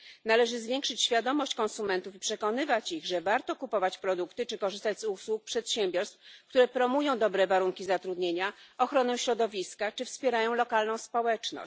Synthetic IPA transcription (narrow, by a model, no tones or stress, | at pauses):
nalɛʐɘzvʲjeŋkʂɘt͡ɕɕfʲjad̪ɔmɔɕt͡ɕkɔnsumɛnt̪ufipʂɛkɔnɘvat͡ɕiɣʐɛvaɾt̪ɔkupɔvat͡ɕpɾɔd̪ukt̪ɘt͡ʂɘkɔʐɘst̪ad͡ʑzuswuk̚pʂɛt̪ɕemʲbʲjɔɾst̪fk̚t̪uɾɛpɾɔmujɔ̃w̃d̪ɔbɾɛvaɾuŋkʲizat̪ɾud̪ɲeɲaɔxɾɔnɛ̃ɕɾɔd̪ɔvʲiskat͡ʂɘfspʲjeɾajɔ̃w̃lɔkalnɔ̃w̃spɔwɛt͡ʂnɔ̰ɕt͡ɕ